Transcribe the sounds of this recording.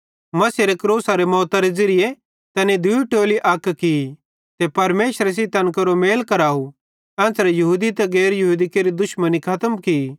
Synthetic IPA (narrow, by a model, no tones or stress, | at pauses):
mɐseɾekɾoːsaɾemɔːt̪aɾed͡zɐɾɪje | t̪ɐnid̪ʊiʈoːliʔɐkːki | t̪epɐɾmeːʃəɾes̬it̪ɐ̃nkɐɾomeːlkɐɾaːu | ɛ̃ːt͡sɾɛjɐɦud̪it̪ɛɡɛːɾjɐɦuːd̪ikeɾid̪ʊʃmənikʰɐt̪əmki